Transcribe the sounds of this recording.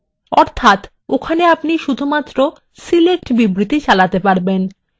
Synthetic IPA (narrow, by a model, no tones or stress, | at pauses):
ɔɾt̪ʰat̪ | okʰaneapniʃud̪ʱumat̪ːɾo | silek̚ʈbibɾit̪it͡ɕalat̪epaɾben